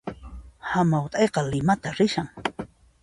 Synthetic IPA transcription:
hamawt̪ʼɑjqɑlɪmat̪aɾɪʃaŋ

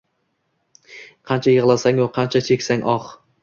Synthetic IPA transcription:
qʰɑnt͡ʃʰajɪʁlˠasaŋoqʰɑnt͡ʃʰat͡ʃʰekʲsaŋʔɒχ

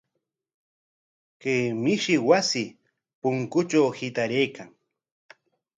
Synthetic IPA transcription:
keːmɪʃɪwasɪ | pʊŋkʊt͡ʃawhɪt̪aɾejkaŋ

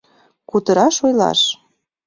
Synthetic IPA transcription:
kut̪ɤ̆ɾɑʃojlɑ̰ʃ

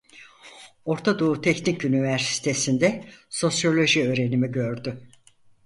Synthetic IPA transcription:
o̞ɾt̪ʰad̪out̪ʰɛcnicynivæɾsi̥t̪ʰe̞sind̪ɛso̞sjo̞lʲo̞ʒiø̞ːɾe̞nimiɟø̞ɾd̪y

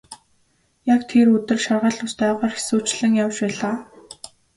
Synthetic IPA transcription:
jakt̪ʰerɵt̪ɘ̆rʃarʁə̆ɮʊst̪æːʁɔːrxi̥suːt͡ɕɮɘ̆ŋjawt͡ɕpæːɮaː

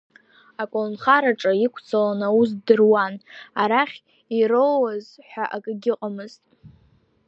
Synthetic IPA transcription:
akʷʼonχaɾaʈ͡ʂʼaikʷʰt͡sʰalanaus̬dɨrwanaɾaχʲ | irowazħʷᶣaʔakʼɨɡʲɪqʼamɨztʼ

